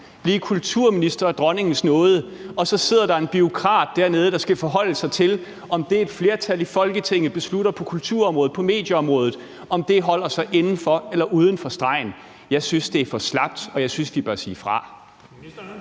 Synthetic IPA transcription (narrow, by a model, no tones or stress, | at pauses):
b̥liːkʰult͡sʰuɐ̰minisd̥ɐɒd̥ʁɒ̽ne̝ŋn̩snɔ̽ːð̞ˠə | ɒ̽sɒ̽se̝ð̰ˠɐɾ̥ɑ̈e̝nb̥io̝kʰʁɑ̰̈ːd̥ːæɐne̝ð̞ˠəd̥ɑ̈sɡ̥æfɒ̽ɦɒ̽l̰əsɑ̈ɪt͡sʰe̝l | ɒ̽md̥e̝ːd̥fle̝ːɐt͡sʰæl̰ifɒ̽lɡ̥ət͡sʰeŋ̰ð̩ˠb̥e̝sluɾ̥ɐpʰɒ̽kʰult͡sʰuɐ̰ɒmʁɔ̽ːð̩ˠpʰɒ̽me̝̰ːd̥jəɒ̽mʁɔ̽ːð̞ˠð̩ˠ | ɒ̽md̥e̝ɦɒ̽l̰ɐsɑ̈ɪʔe̝nn̩fɒ̽elɐʔuːð̞ˠən̩fɒ̽sd̥ʁɑ̈ɪ̰n̩ | jɑ̈ɪsynsd̥e̝æɐfɒ̽slɑ̈b̥̚d̥ɒ̽jɑ̈ɪsynsʋ̥ib̥ɶɐsḭːfʁɑ̈